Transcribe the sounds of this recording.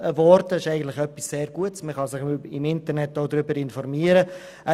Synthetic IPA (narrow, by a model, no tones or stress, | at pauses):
əvɔɾdəɪʃɛɪɡətlɪχœpisːeːɾɡuətsməχɑsɪχɪmɪntəɾnɛt̚d̥oːd̪ɾʏbəɾɪnfɔɾmiəɾə